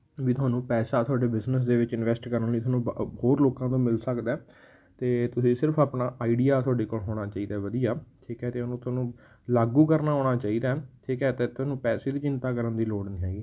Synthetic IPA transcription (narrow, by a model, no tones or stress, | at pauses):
ʋiːt̪ʊaːnũːpɛːsaːt̪ʰʊaːɖeːbɪznəs̬d̪eːʋɪt͡ʃɪnʋɛːsʈkəɾənləiːt̪ʊaːnũːhoːɾloːkãːt̪õːmɪlsəkd̪ɛː | t̪eːt̪ʊsĩːsɪɾəpʰaːpnaːʔaːiɖijaːt̪ʰʊaːɖeːkoːlɦoːɽ̃aːt͡ʃaːiːd̪aːʋəd̪ijaːt̪ʰiːkɛːt̪eːʊnũːt̪ʊaːnũː | laːɡũːkəɾnaːɦoːɽ̃aːt͡ʃaːiːd̪aːɛt̪ʰiːkɛːt̪eːt̪ʊaːnũːpɛːseːd̪iːt͡ʃɪ̃nt̪aːkəɾənd̪iːloːɖniːɦɛːɡiː